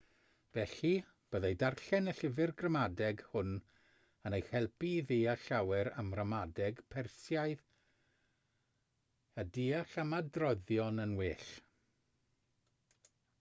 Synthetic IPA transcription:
vɛɬi | b̥əːðejdarɬɛnəɬɪvɪrɡrəmadɛɡhʊn | ənejhɛlˠpiðeːaɬawɛɾa̰mrəmadɛɡpʰɛrsjajð | adiːaɬamadrɔðjɔnənweːɬ

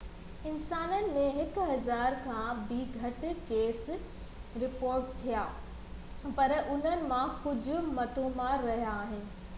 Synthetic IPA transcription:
ɪnsaːnənɪ̆mẽɦɪkɦɐzaːɾkʰãːbiɡʱɐʈɪ̆keːs | ɾɪpoːɾʈt̪ʰːijaː | pɐɾʔʊn̤ənɪ̆mãkʊd͡ʑʱʊ̆mɐt̪õmãɾɐɦjaːɦɪnɪ̆

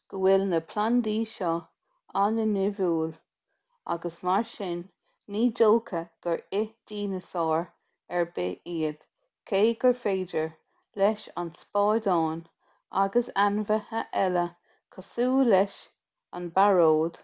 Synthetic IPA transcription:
ɡ̥əwɪlnəpʰland̪iːʃɔ | anənɪvuːl | a̰ɡəsmaɹʃɪnː | iːdolkʰəɡ̥əɹɪd̪̥iːnəsɑːɹ | ɛɹbɪiːəd̪̥ | kʰeːɡ̥əɹfeːdəɹ | lɛʃa̰nspɑːd̪ɑːn | ʔa̰ɡəsanvəhəʔɛlə | kʰəsuːlɛʃ | a̰nbaɹoːd̪̥

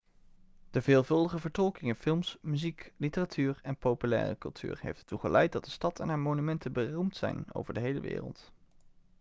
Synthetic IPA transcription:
d̥əveːlˠvɵlˠdəχəvəɹtɔlˠkɪŋɪnfɪlˠmsmyziklitəratʰyːɹɛnpowpylɛ̰ːrə̰kɵlˠtʰy̰ːɹɦḛjfttːuχəlʔɛjt̚dɑt̚d̥əstɑtʰɛnɦaːɹmonymɛntəbərumtsɛ̰jno̰wvəɹdəɦejləʋɪ̰ːrə̰lˠt

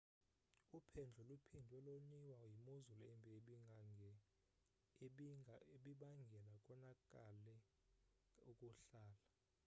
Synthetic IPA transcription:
upʰɛnd͡ɮʱɔlupʰindʱɔloɲiwajimozulɔɛmbʱɛeɓiŋaŋɛ | ɓieɓiɓaŋɡʱɛlakʼɔnakʼalɛ | ukʼuɬaːla

